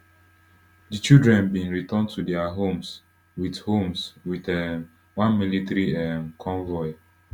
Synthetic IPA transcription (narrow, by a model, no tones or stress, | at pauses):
dit͡ʃildɹɛ̃nbĩnɹitɔntʰudɛaɦõms | withomswitɛ | wãnmilitɾiɛ̃nkʰɔ̃ɱvɔɪ